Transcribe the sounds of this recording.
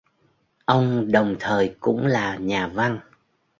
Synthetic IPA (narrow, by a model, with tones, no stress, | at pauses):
ʔə˧wŋ͡mɗə˨˩wŋ͡mt̪ʰəː˨˩jkʊ̰˧˥ŋ͡mlaː˨˩ɲaː˨˩va˧n